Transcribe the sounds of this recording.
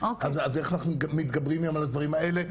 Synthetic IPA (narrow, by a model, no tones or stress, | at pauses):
okazazeχanaχnumit̪ɡabʁimjamalad̪vaʁimaele